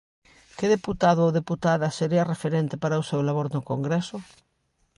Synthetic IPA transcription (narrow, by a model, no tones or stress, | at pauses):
keðeput̪aðʊowðeput̪aðaseɾiɐrefeɾent̪epaɾausewlaβoɾnʊkoŋɡɾesʊ